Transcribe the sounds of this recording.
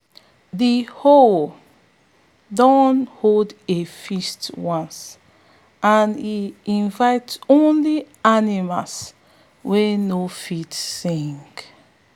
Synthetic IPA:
ðihol | dɔnholdefistwɔ̃ns | ãniĩnvaɪtsõnli | animals | wenofitsĩŋk

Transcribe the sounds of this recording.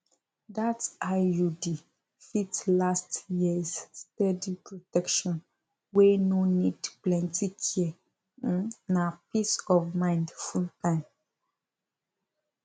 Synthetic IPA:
datajudi | fitlastjizːtɛdipɹotɛkʃɔ̃n | wenonidplɛ̃ntikʰiɛ̃ | napisɔvmãɪ̃ndfultãɪ̃m

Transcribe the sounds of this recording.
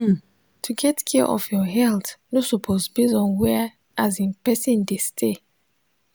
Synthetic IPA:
tʰuɡɛtkʰiʔɔ̰fjɔɦɛltnosupʰozbizɔ̃nwɛ | ʔazĩpɛsĩndestʰe

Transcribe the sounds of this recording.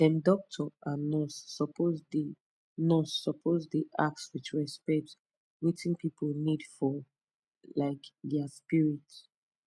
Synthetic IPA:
dɛ̃ndɔk̚tʰɔãnɔsɔpozd | nɔsːɔpʰozdiʔa̰k̚swit͡ʃɹɛspɛk̚t | witĩnpipʰolnidfɔ | laɪkdɛaspiɹits

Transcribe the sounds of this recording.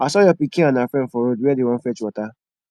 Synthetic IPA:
asɔjɔpikĩanãfɛ̃fɔɾoduɛdewɔ̃n̩fɛt͡ʃuɔta

